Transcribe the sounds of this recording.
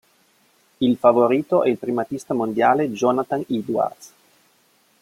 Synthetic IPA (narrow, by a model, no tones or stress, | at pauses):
ilfavoɾiːt̪oʔɛilpɾimat̪ist̪amond̪jaːled͡ʒɔnat̪anid̪wa̰rd̪s